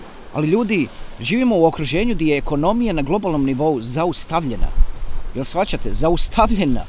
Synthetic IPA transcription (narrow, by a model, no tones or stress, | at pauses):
a̰liʎuːd̪iʒiːʋimo̞uo̞kɾuʒe̞ːɲud̪ajeːko̞no̞mijanaɡlˠo̞balno̞mniʋo̞uzaust̪aʋʎe̞na̰jelˠsfat͡ɕat̪e̞zaust̪ʰaʋʎe̞na̰